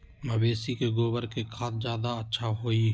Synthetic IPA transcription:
məbeːsikeɡoːbəɾkekʰaːt̪d͡ʒjaːd̪aətːʃʰaɦoːi

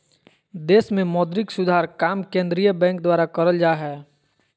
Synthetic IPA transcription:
d̪eːsmẽmɔːd̪ɾɪksʊd̪ʱaːɾkaːmkẽːnd̪ɾijəbɛ̃ːŋk̚d̪waːɾakəɾəld͡ʒaːɦɛː

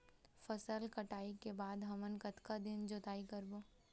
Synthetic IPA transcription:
fəsəlkɐʈaːikebaːd̪ɦɐmənkət̪kad̪ɪnd͡ʒot̪aːikəɾboː

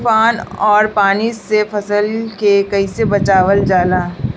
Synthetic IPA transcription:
faːnɔːɾpaːnisefɐsəlkekɐisebɐt͡ʃaːʋəld͡ʒaːlaː

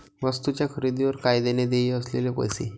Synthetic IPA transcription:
ʋəst̪ut͡ɕjakʰəɾid̪iʋəɾkajd̪ened̪eiəslelepə̰jsḛ

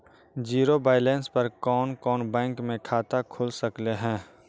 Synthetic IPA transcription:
d͡ʒiːɾobaːɪlɛ̃ːnspɐɾkɔːnkɔːnbɛ̃ːŋkmẽkʰaːt̪akʰʊlsɐkleɦɛ̃ː

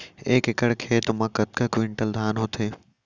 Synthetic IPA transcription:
eːkɪkəɽkʰeːt̪ʊmɐ̃kɐt̪̚kɐkʋɪ̃ɳʈəld̪ʱaːnɦot̪ʰeː

